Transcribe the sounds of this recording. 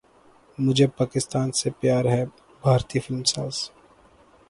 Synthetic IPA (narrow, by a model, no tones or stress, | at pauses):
mʊd͡ʒʱepaːkɪst̪aːnsepjaːɾɦɛ | bʱaːɾt̪iːfɪlmsaːz